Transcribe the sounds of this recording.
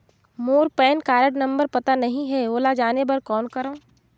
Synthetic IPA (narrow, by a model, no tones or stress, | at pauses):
moːɾpɛːnkaːɾəɽnɐ̃mbəɾpɐt̪anɐɦĩɦɛoːlad͡ʒaːnebɐɾkɔːnkɐɾõː